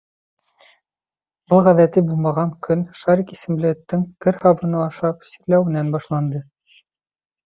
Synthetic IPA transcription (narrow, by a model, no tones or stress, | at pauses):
bɤlˠʁæðæt̪ɘbulˠmɑʁɑŋkʰɵnʃɑɾʲikisɘ̆mlɘ̆ɘ̆t̪ːɘŋkɘɾhɑβɤ̆nɑɑʃɑpsi̥plæwɘ̆nænbɑʃlˠɑnd̪ɤ